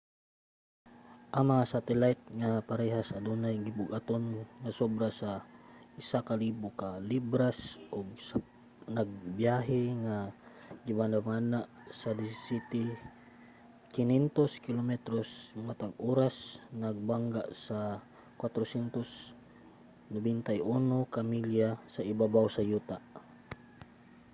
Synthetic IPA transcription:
ʔamasat̪ɛlajt̪̚ŋapaɾɛɦasad̪unajɡibuɡat̪onŋasobɾasaisakalibukalibɾasɔɡ̚sa | naɡ̚biaɦɛŋa | ɡibanaŋanaʔsadisit̪i | kinɛnt̪ɔskilɔmɛt̪ɾɔsmat̪aŋɔɾasnaɡ̚baŋɡaʔsa | kwat̪ɾɔsɛnt̪us | nɔbɛnt̪aionokamiljasaibabausajut̪a

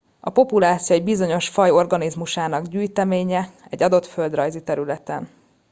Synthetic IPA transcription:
ɒpo̞pulaːt̪sijoɛɟbizo̞ɲo̞ʃfɒjo̞rɡɒnizmuʃaːnɒɡɟyːjt̪ɛmeːɲɛɛ̰ɟɒd̪o̞t̪fø̞ld̪rɒjzit̪ɛɾylɛt̪ɛn

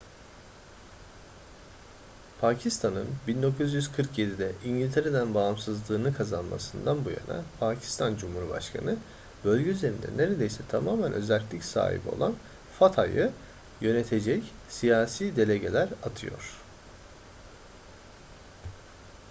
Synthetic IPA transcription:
pʰaːcʰist̪ʰanɯnbind̪o̞kʰuzjyzkʰɯɾkje̞d̪id̪ɛʔiɲɟilʲt̪ʰe̞ɾe̞d̪ænbaːmsɯzlˠɯːnɯkʰazanma̰sɯnd̪anbuja̰na̰pʰaːcʰi̥st̪ʰand͡ʒumhuɾba̰ʃkʰa̰nɯ | bø̞lʲɟɛyze̞ɾind̪ɛ̰ne̞ɾe̞d̪e̞jsɛt̪ʰamaːmænʔø̞zælʲt̪lʲicsa̰ːɦḭbio̞̰lˠa̰n | fat̪ʰajɯ | jø̞ne̞t̪ʰe̞d͡ʒɛcsijaːsiːd̪e̞lʲe̞ɟe̞lʲæɾat̪ʰɯjo̞̰ɾ̝̥

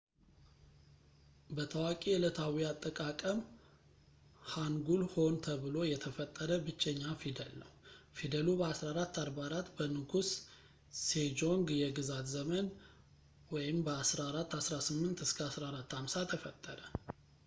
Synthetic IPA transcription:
bət̪ʰəwakʼilət̪ʰawiat̪ʼːəkʼakʼəm | haŋɡulho̞nt̪ʰəβɨlo̞jɛt̪ʰəfət̪ʼːəɾəbɨt͡ʃːɛɲːafid̪əlnəwfid̪əlubəasɾaɾat̪ʰːaɾbaɾat̪bənɨɡus | sed͡ʒo̞ŋɡjɛɡɨzat̪zəmən | wɔjɪmbəasɾaɾat̪ːasɾasɨmːɨnt̪ɨskʰəasɾaɾat̪ʰːamsat̪ʰəfət̪ʼːəɾə

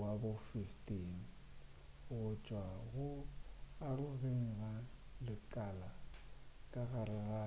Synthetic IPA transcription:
wabʊfiftʼin | ʊɣʊt͡ʃʼwaɣʊaɾʊɣeŋɣa | lɪkʼala | kʼaɣaɾɪɣa

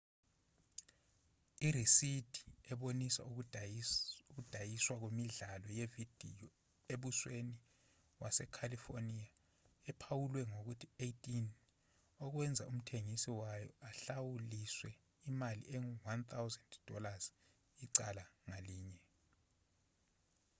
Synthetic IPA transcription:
irisid̥ʱi̥ɛɓonisa̰ | uk̬ud̥ʱajiswak̬wemiɮalɔjevid̥ʱḭjɔ | eɓusweni | wʔasɛkʰalifonija | ɛpʰawulwɛŋok̬utʰiejtʼin | ɔk̬wɛnd͡zʱaum̩tʰeŋisiwajɔ̰aɬawuliswɛ | imalḭʔeŋwant̪ʰawzɛndd̥ʱɔ̰laz̥ | iǀalaŋaliːɲɛ

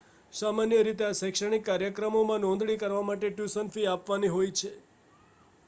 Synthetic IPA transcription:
samanjəɾit̪easɛkʃəɽ̃ikːaɾjəkɾəmomãnɔ̃nd̪ɽikəɾʋamaʈeʈjusənfiapʋaniɦojt͡ʃʰe

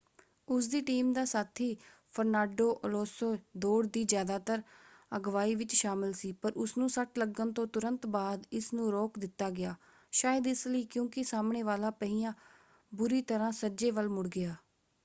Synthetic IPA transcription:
ʊsd̪iːʈiːmd̪aːsaːt̪ʰiːpʰəɾnaːɖoːʔəloːsoːd̪oːɽd̪iːzjaːd̪aːt̪əɾəɡʋaːiːʋɪt͡ʃʃaːmɪlsiːpəɾʊsnũːsəʈləɡənt̪õːt̪ʊɾə̃nt̪baːd̪ɪsnũːɾoːkd̪ɪt̪ːaːɡɪjaː | ʃaːjəd̪ɪsləiːkjõːkɪsaːmɳeːʋaːlaːpəɦiːjãː | bʊɾiːt̪əɾãːsəd͡ʒeːʋəlmʊɽɡɪaː

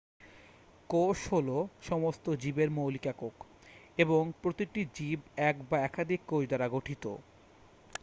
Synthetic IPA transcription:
koʃholoʃɔmost̪od͡ʑibeɾmowlikakok | eboŋpɾot̪iʈid͡ʑibɛkbaɛkad̪ʱikːod͡ʑd̪aɾaɡoʈʰit̪o̰

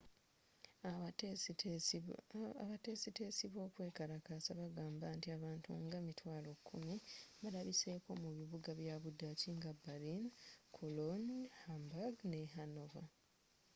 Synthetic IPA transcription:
βate̞ːsite̞ːsiβo̞ːkwe̞ːkaɾakasaβaɡaːmbantiaβaːntṵŋɡamitwaːlo̞kʰːumiβalaβise̞ːko̞muβiβuɡaβjaβudaciŋɡabaɾinkʰolonhambaɡne̞ɦano̞va̰

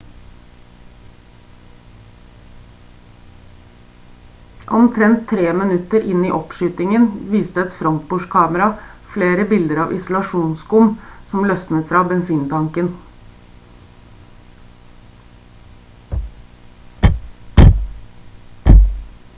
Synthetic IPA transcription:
ʔɔmt̪ʰɾɛnt̪ʰːɾeːmɪnʉt̪əɾʔɪniːʔɔpʃyːt̪ɪŋənʋiːst̪əɛt̪fɾɔŋk̪̚buːʃkʰɑːməɾɑfleːɾəbɪld̪əɾɑ̰ːʋʔɪ̰sʊlɑʃuːnskʊmsɔmlœsnət̪fɾɑːbɛnsiːnt̪ʰɑŋkən

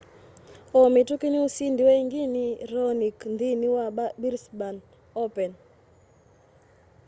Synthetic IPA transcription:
ɔmitukiniusindiwɛŋɡinirɔniknd̪iniwaɓabiɾsban | ɔpɛn

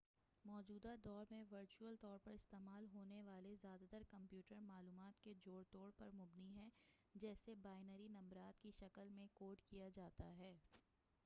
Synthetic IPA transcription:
mɔːd͡ʒuːd̪ad̪ɔːɾmẽʋɐɾt͡ʃuəlt̪ɔːɾpɐɾɪst̪eːmaːlɦoːneʋaːlezjaːd̪at̪əɾkɐ̃mpjuːʈəɾmaːluːmaːt̪ked͡ʒoːɽt̪oːɽpɐɾmʊbniɦɛd͡ʒɛːsebaːɪnəɾinɐ̃mbɾaːt̪kiʃɐkəlmẽkoːʈkijad͡ʒaːt̪aɦɛː

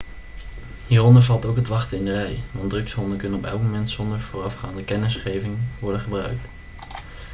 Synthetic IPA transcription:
ɦiːrɔndəɹvɑlˠtowkɦətʋɑχtəɪndərɛjʋɑndrɵksɦɔndəkɵnənɔpɛ̰lˠk̚momɛntsɔndəɹvoːrɑfχaːndəkɛnɪsχejvɪŋʋɔɹdəχəbrœ̰ɥk̚t

